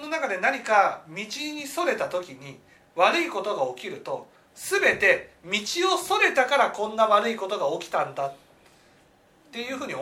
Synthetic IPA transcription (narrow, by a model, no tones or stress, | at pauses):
no̞nakad̪e̞naɲ̟ikamʲit͡ɕiɲ̟iso̞ɾe̞t̪at̪o̞kʲiɲ̟i | βaɾɯ̟iko̞t̪o̞ɡao̞kʲiɾɯ̟t̪o̞ | sɨbe̞t̪e̞mʲit͡ɕio̞so̞ɾe̞t̪akaɾakõ̞nːaβaɾɯ̟iko̞t̪o̞ɡao̞kʲi̥t̪ãnd̪a | t̪ːe̞jɯ̟ːɸɯ̟ːɲ̟i